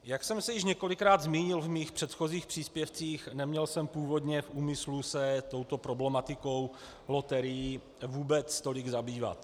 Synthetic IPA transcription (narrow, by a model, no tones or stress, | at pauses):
jaksɛmsɛjɪʃɲɛko̞lɪkɾaːd̪zmiːɲɪlvmiːxpr̥ɛt̪xo̞ziːxpr̥iːspjɛft͡siːxnɛmɲɛlsɛmpuːvo̞d̪ɲɛfʔuːmɪslusɛt̪o̞wt̪o̞pɾo̞blɛmat̪ɪko̞w | lo̞t̪ɛɾɪji | vuːbɛt͡st̪o̞lɪɡzabiːva̰t̪